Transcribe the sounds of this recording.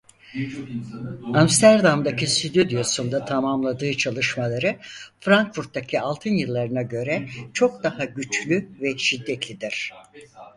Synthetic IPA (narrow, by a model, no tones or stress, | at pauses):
amst̪ʰæɾd̪amd̪acʰisyd̪yd̪ijosund̪at̪ʰamamlˠad̪ɯːt͡ʃʰalˠɯʃmalˠaɾɯfɾaŋkfuɾt̪̚ːacʰialˠt̪ʰɯnjɯlˠːaɾɯnaɟø̞ɾɛt͡ʃʰo̞k̚d̪ahaɟyt͡ʃlʲyvɛʃid̪ːɛt̪lʲid̪iɾ̝̥